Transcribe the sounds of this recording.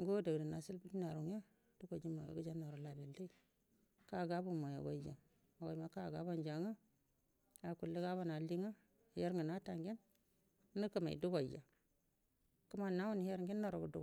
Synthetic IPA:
ŋɡo˦da˨u˨da˨na˨si˦lbu˦di˦na˨ɾu˨ŋ˦a˦ | d̥u˦ɡo˨d͡ʒi˦ma˨j̰ɡu˦d͡ʒa˦no˨ɾo˨la˨bi˨lːe˦i˦˨ | ka˦˨ɡa˦bu˦ma˨ja̰˨ɡa̰˦d͡ʒa̰˨ | a˨wa˨i˨ma˨ka˦˨ɡa˦ba˦nd͡ʒa˨ŋa˦ | a˨ku˨lːi˦ɡa˦βa˦na˨li˦ŋa˦ | e˦ɾŋi˨na˦ta˨ŋɡi˦nː˦ | i˦kə˦˨ma̰˨ḭ˨du˦ɡa˨ja˨ | ku˦ma˨na˦wu˦n˨he˦ɾŋɡi˦nːo˨ɾo˨bu˨du˦ɡa˨

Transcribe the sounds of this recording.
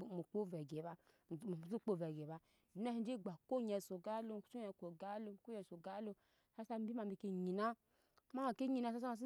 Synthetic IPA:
mu˨k͡po˦˨vɛ˨ɡe˨ba˧˨ | zu˦k͡po˦˨vɛ˨ɡe˨ba˧˨ | i˨˦na˦hi˧˦d͡ʒe˦˨ɡ͡ba˨ko˦ɲɛ˨so˨ɡa˦lo˧˦˨t͡ʃu˦ɛ˧˨ko˨ɡa˦lo˧˨ko˦jɛ˧˨so˨ɡa˦lo˧ | sa˦sa˧m˦bi˦ma˨bi˧˨ke˧ɲi˨na˦ | ma˦a˨ke˦ɲi˨na˧˨s̬a˦sa˦a˧˨si˦

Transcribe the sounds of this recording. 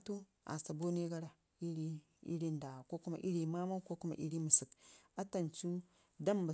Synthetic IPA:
tu˦ | a̰˨sta˨bo˦ni˦ɡa˦ɾa˨ | i˦ɾi˦ | ḭ˦ɾi˦nda˨ko˦ku˦ma̰˨ʔi˦ɾi˨ma˦ma˦ko˦ku˦ma̰˨ʔi˦ɾi˦mu˨si˨ka˦ta˨nt͡ʃu˦ | da˦mba˨

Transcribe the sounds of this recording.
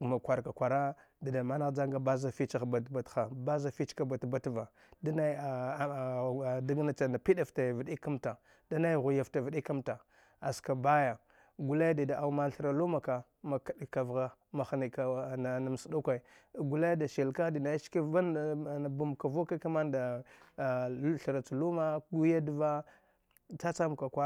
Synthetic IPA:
ma˨kʷa˨ɾka˨kʷa˨ɾa˦ | da˨da˨ma˦na˦ɣd͡ʒa˦ŋɡa˦ba˦za˦fi˦t͡ʃa˦˨xba˨tba˨txa˨ba˦za˦fi˦t͡ʃka˦ba˨tba˦tva˨ | da˦na˦˨ | da˦ɡna˦t͡ʃa˨na˨pi˦da˦˨fta˨vi˨di˦ka˦mta˨ | da˦na˦jɣu˨ja˨fta˨vi˨˦ɗi˦ka˦mta˨ | a˨ska˨ba˦ja˨ | ɡu˨la˦jda˨da˨ʔa˨u˦ma˦ɬɾa˨lu˦ma˨ka˨ | ma˨kɗka˨vɣa˦ma˨xni˨ka˨a˨na˨m˨sda˦kʷa˨i˨ | ɡu˨la˦jda˨ʃi˨lka˦di˨na˨˦ʃki˦a˦n˨na˨bu˨m˨ka˨vo˦ka˦ka˦ma˦nda˨˦ | ɬɾa˨t͡su˨lu˦ma˦ɡu˦ja˦dva˦ | t͡sa˦t͡sa˦m˨ka˨kʷa˦

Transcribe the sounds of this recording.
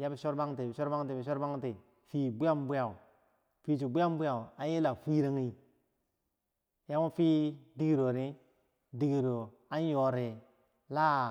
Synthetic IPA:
ja˦bi˨ʃo˦ɾba˦ŋti˨bʃo˦ɾba˦ŋti˨bi˨ʃ̬o˦ɾba˦ŋ˦ti˨ | fi˨bu˦ja˦mbu˦ja˨ | fi˨t͡ʃu˨bu˦ja˦m˦bu˦ja˨u˨a˦n˦i˦la˨fi˦ɾe˦ŋi˦ | ja˦mo˦fi˦di˦ɡi˨ɾo˨ɾi˦ | di˨ɡi˨ɾo˨ | a˦n˦jo˨ɾe˨ | la˦

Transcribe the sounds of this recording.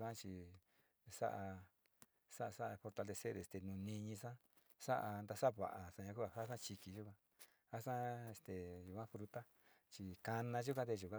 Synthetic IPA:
kʷã˦t͡ʃi˧ | sa̰˦ʔa˧ | sa˦ʔa˧sa˦a˧fo˧ɾt̪a˧le˧se˦ɾe˨st̪e˨nũ˨nĩ˧ɲĩ˧sã˦ | sa˦ʔa˧nd̪a˧sa˦βa̰˨ʔa˨sã˧ɲã˧ku˦a˧˨ha˦sã˦t͡ʃi˧ki˧ʒu˦kʷã˦˧ | ha˦sã˦e˧˨st̪e˨ʒu˨kʷã˦fɾu˧t̪a˦ | t͡ʃi˧ka˧nã˧ʒu˦k̬ʷã˦t̪e˧ʒu˨kʷã˦

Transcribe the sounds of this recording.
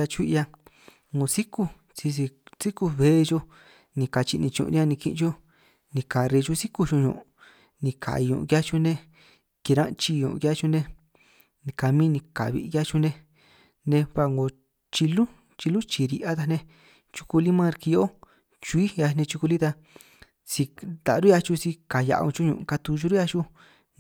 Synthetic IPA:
a˧t͡ʃʷi˦˧ja˧ | ŋɡo˧si˦ku˦˧ | si˧si˧si˦ku˧βe˨˦˧ʒo˧ | nĩ˧ka˧t͡ʃi˧nĩ˧t͡ʃṵ̃˧˨˧ɾa˧nĩ˧kḭ˧t͡ʃo˦ | nĩ˧ka˨ɾi˧t͡ʃu˧si˦ku˧ʒũ˧ɲõ̰˧˨ʔ | nĩ˧kʰa̰˨i˧ɲõ̰˧kja˦t͡ʃu˧nẽ˧ | ki˧ɾã̰˦˧t͡ʃi˧ɲõ̰˧ʔkja˦t͡ʃu˧nẽ˧ | nĩ˧ka˨mĩ˦nĩ˧ka̰˨βḭ˧kja˦t͡ʃu˧nẽ˧ | nẽ˧βa˧ŋɡo˧ | t͡ʃi˧lu˦ | t͡ʃi˧lu˦t͡ʃi˨ɾi˧ʔa˦t̪a˧nẽ˧ | t͡ʃu̥˧ku˧li˦mã˦˧ɾki˧jo˦ | t͡ʃu˧i˦ja˧nẽ˧t͡ʃu˧ku˧li˦t̪a˧ | si˧t̪a˨ɾu˦ja˧t͡ʃu˧si˧ka˨ja̰˧ʔõ̰˧t͡ʃu˦ɲṵ̃˧ʔka˧t̪u˧t͡ʃu˧˦ɾu˦ja˧t͡ʃu˦

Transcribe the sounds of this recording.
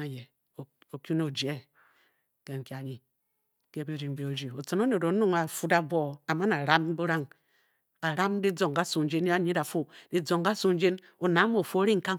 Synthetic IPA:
a˨je˨ | o˨kʲu˦no˦˨d͡ʒe˨˦ | ke˦ŋ̩˨kʲa˨ɾi˦ | ke˦bi˦ɾi˨ŋ˨be˨o˨d͡ʒi˨o˨t͡so˨no˦ne˨do˨˦nu˦ŋa˨fu˦da˨bo˦˨a˨ma˦na˨ɾa˦m˦bu˦ɾa˦ŋ | ka˨ɾa˦m˦di˦d͡zo˨ŋɡa˦su˨˦d͡ʒe˦n˦a˦ɲi˦da˨fu˦di˦d͡zo˨ŋ˨ɡa˦su˦n˦d͡ʒe˦n | o˨na˨˦mo˨fo˦ɾi˦ŋ̩˨ka˦

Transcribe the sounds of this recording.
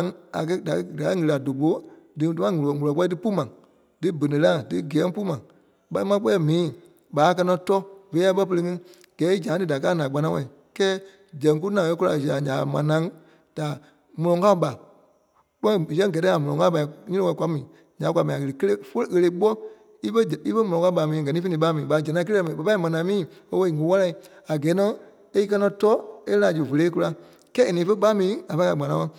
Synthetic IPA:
ŋa̰˨k̬ɜ˦da˨kɡa˨˦ŋɨ˧ɾa˨do˨ɓo˨˦dɨ˨˧tu˦mã˦ŋu˨lɔ˨ŋu˨lɔ˨k͡pɛ˦tɨ˦pu˦mã˨ | dɨ˦bə˨nĩ˨lã˦dɨ˦ɡɛː˨˦pu˦mã˨ | ɓa˧˦i˦mã˧˦k͡pɛː˦˨mĩː˨˦ | ɓaː˨˦k̬ɜ˧nɔ̃˧˦tɔ˦ve˨˦a˧˦ɓɜ˦p̬ə˧e˧ŋɨ̃˧˦ | ɡ̥ɛː˨˦i˦d͡ʒã˨˦dɨ˧da˨kaː˦nã˨k͡pa˧nã˧˦wɛ̃˧˨ĩ˨ | kɛː˦ | d͡ʒɛ̃˨ŋ˦k̬u˦nã˨ɛ˧˦ku˦la̰˧˨za˨ɲã˨mã˨˦nã˧˦ŋ | d̥a˨ | mɔ̃˧lɔ̃˨ŋka˦u˦ɓa˨ | k͡pɔ˦˨sɛ̃˦ŋ˦ɡɛ˨tɛ̃˦a˨mɔ̃˨lɔ̃˨ŋa˦pa˧˨i˨ɲĩ˦ĩ˦ɛ̃˧˨kʷwʷa˨˦mĩː˨ | ɲã˨˦k̬ʷu˧a˨˧mĩ˨a˨ə˧˨e˨kə˦le˦fo˦˨ɣə˧le˧˦ɓɔ˦ | i˦fə˦d͡ʒi˦fə˦mɔ̃˨ɔ̃˨ŋka˧˦ɓa˨mĩː˨a˨ɡɜ˨nĩː˦fnĩ˧˦ɓa˦mĩː˨ɓa˨d͡ʒɛ˨nã˧˦kə˦lmã˨ə˨pa˧˦i˦mã˨nã˨˦mĩː˦˨o˦wo˧˦i˨ŋũ˨˦wa˦la˧i˦ | a˨ɡɛː˨˦nɔ̃˧˦ | e˦i˦k̬ɜ˧nɔ̃˧tɔ˦e˦lã˨d͡ʒu˨və˨leː˨˦k̬u˧la˧˨ | kɛː˦e˨nĩː˨˦fə˦ɓa˦mĩː˨˦a˨fa˧˦˧a˧˨ɡ͡bã˨nã˧˦wɔ̃˧˨

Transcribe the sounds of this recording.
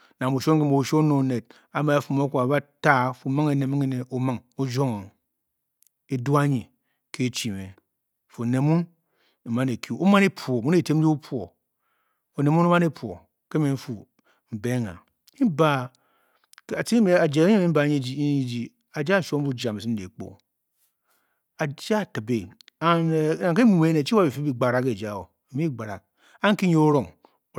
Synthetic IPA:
na˨bu˨ʃo˦ŋ˦e˦mo˨u˨ʃo˦no˨ne˨t̚ | a˨ma˨a˨fu˦˨mo˦kʷu˦˨a˨ba˦ta˦˨fu˨ma˦ŋe˨ne˨mi˦ŋe˦ne˨ʔo˨ma˦ŋo˦d͡ʒo˦ŋo˨ | e˨du˦a˦ɲi˨ | kʰe˦˨t͡ʃi˨me˨ | fu˨ne˨mu˦n | e˨ma˦ne˨ku˦o˦ma˦ne˦po˨mu˦n˦e˨te˦m˦d͡ʒi˦u˦pʰwo̰˨ | o˨ne˨mu˦no˦ma˦ne˦po̰˨ | ke˦me˨m̩˦fu˨ | m̩˨be˦ŋa̰˨˦ | ba˨˦˨ | ti˦me˨a˨d͡ʒa˨˦ɲe˦mi˦m̩˦ba˨˦i˦d͡ʒi˦ | a˨d͡ʒa˦˨ʃo˦m˦u˦d͡ʒa˨me˨si˦e˨˦k͡po̰˨ | a˨d͡ʒa˦˨ta˨be˨a˦n˨˦na˨ŋke˦˨e˨˦ne˨t͡ʃi˦a˦˨bi˨fi˦bi˦ɡ͡ba˨ɾa˨ke˨d͡ʒa˦˨wo˨mi˦ɡ͡ba˨ɾa̰˨k̚ | a˦ŋ˦ki˦ɲo˦o˦ɾo˨ŋ˨

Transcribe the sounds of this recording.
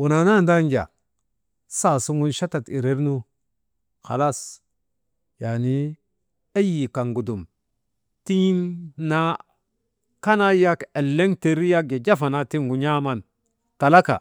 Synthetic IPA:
u˨na˨na˦˨nda˦ŋɡa̰˨ | sa˦˨su˦ŋu˦nʃa˦ta˨ti˨ɾe˦ɾnu˦ | xa̰˨la˦s | ja˨ni˦ | e˦ji˨ka˨ŋɡu˨du˨m | ti˦nna˦ | ka˦na˦ja˦ke˨lːe˦ŋte˨ɾi˦ja˦ɡe˨d͡ʒa˦fa˨na˨ti˦ŋɡu˨ɲa˦ma˦˨n | ta˨la˦ka̰˨

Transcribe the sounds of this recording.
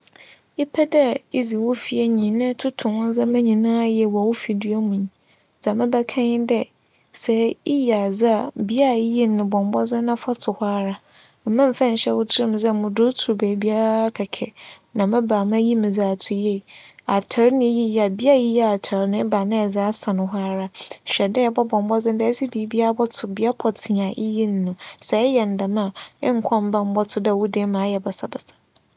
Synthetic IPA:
i˦pʰɛ˦dɛ˦i˦zi˨wʊ˦fi˨ɛ˨ɲĩ˨nɪ̃˦tʰʊ˦tʰʊ̃˨wʊ̃˦n˦zã˦mã˦ɲĩ˨nãː˦jɛ˨wɔ˨wʊ˦fi˨du˦a˦mũ˨ɲ˨ | d͡za˨mɪ̃˦bɛ˦kʰã˦ɲɪ˦dɛ˦ | sɛ˨i˦ja˨d͡za˦˨bi˦a˦˨˦ji˦nɪ̃˨bɔ̃˨m˦bɔ˦zɪ̃˦nã˦fa˦tʰʊ˨haː˦ɾa˦ | m̩˨mã˦m̩˨fã˦n̩˨ɕɛ˦wʊ˦tʰɪ˦ɾɪ˦m˨d͡zɛ˦˨mʊ̃˨dʊ˦tʰu˨ɾbe˨bi˦a˦ɾa˦kʰɛ˨kʰɛ̰˨ | nã˨mã˦baː˨mã˦ji˦mɪ̃˨d͡za˨tʰʊ˨je˦˨a˨tʰa˨ɾnɪ̃˦ji˦ja˨bi˦a˦ji˦ja˦a˨tʰa˨ɾnɪ̃˦baː˨nɪ̃˦ɛ˨d͡za˦a˦sã˨nʊ̃˨ɦʷʊ˦a˦ɾa˦ɕᶣɛ˨dɛ˦˨bɔ˦bɔ̃˨m˦bɔ˦d͡zɪ̃˦n˦dɛ˦si˦bi˨˦bi˦a˦a˦bɔ˦tʰʊ˨bi˦a˦pʰɔ˨tʰɪ˨ã˨ʔḭ˦ji˦n˦nʊ̃˨sɛ˨ɛ˦jɛ˨n̩˨da˨mã˦˨ɪ̰˦ŋ̩˦kʰɔ̃˦m̩˦bã˦m̩˦bɔ˦tʰʊ˦da˦˨wu˦de˦mã˨˦jɛ˨bɛ˨sa˦bɛ˨sḁ˨

